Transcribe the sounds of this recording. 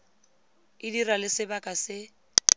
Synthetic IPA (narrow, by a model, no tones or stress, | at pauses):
ɪdiralɪsɪbakʼasɪ